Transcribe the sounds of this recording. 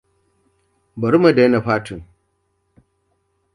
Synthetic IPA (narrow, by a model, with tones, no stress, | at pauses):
bɐ˨ɾu˦ma˨da˨˦na˨ɸaː˦tu˨ŋ